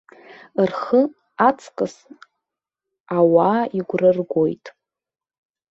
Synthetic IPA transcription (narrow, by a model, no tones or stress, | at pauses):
ɨrχə | at͡sʰkʼɨs | awaːiɡʷrɨrɡʷo̞jtʼ